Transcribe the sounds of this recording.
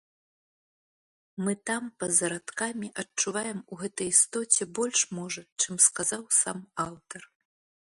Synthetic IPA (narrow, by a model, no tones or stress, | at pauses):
mɨt̪ampɐzɐɾat̪kamʲiʔɐt͡ʂuvajɛmuɣɛt̪ɐjist̪ɔt͡sʲɛbɔlʲʂmɔʐɐt͡ʂɨmskazawsamawt̪ɐr